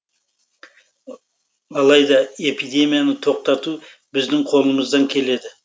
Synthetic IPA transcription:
ɑlˠɑjd̪ɑe̞pid̪ʲe̞mijanət̪ʰo̞q̚t̪ɑt̪u | bɪzd̪ɪŋqʰo̞lˠəməzd̪ɑŋkʲʰe̞le̞d̪ɪ

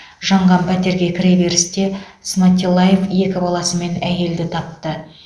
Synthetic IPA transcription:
ʒɑɴʁɑmpʰæt̪e̞ɾɡʲe̞kʲʰɪɾebe̞ɾɪst̪e̞ | smɑt̪ʲːilˠːaje̞fje̞kʲɪbɑlˠɑsəme̞næje̞ld̪ɪt̪ʰɑp̚t̪ə

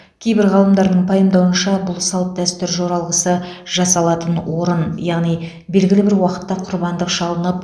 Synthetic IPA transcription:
kʲʰe̞jbɪɾʁɑlˠəmd̪ɑɾd̪əɴpʰɑjəmd̪ɑwənʃɑbʊlˠsɑlˠt̪̚d̪æst̪ʏɾʒo̞ɾɑlˠʁəsəʒɑsɑlˠɑt̪ənwo̞ɾənjɑʁnij | be̞lɡʲɪlɪbɪɾwɑqə̥t̪ːɑqʰʊɾbɑnd̪əqʒɑlˠənəp

